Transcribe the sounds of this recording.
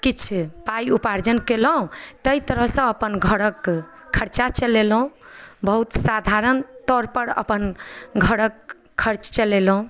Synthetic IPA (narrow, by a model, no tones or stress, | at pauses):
kit͡ʃʰpajupaɾd͡ʒənkeləɦũt̪əjt̪əɾəɦsə̃əpənɡʱəɽək | kʰːəɾt͡ʃat͡ʃəlelɦũbəɦut̪sad̪ʱaɾənt̪ɔɾpəɾə̰pənɡʱəɽəkʰː | əɾt͡ʃt͡ʃəlelɦũ